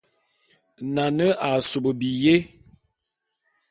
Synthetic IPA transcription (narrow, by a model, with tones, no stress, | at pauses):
na˨nə˦a˨so˨bə˨bi˨je˦